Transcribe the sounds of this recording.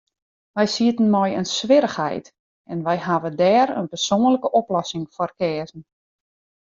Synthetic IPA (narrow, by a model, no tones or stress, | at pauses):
ʋɛjsiətən̩mɔjənsʋɪɾəxhɛ̰jt | ɛnʋɛjɦaʋədɛːɾə̰npərsoːnələkəʔoplɔsɪŋfɔrkɛːzn̩